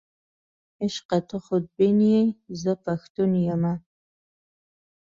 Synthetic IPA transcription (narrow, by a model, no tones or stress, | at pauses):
əʃqɐtʰɨχʷʊd̚benijejzɐfʰɐxtʰʼunjɛma